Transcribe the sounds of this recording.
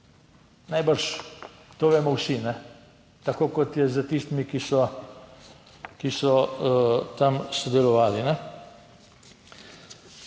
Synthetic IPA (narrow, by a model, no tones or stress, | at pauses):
najbəɾʃt̪oːʋeːmɔwsinɛ | t̪akoːkɔt̪jɛzət̪ist̪imikisɔ | kisɔ | t̪amsɔd̪ɛlɔʋaːlinɛ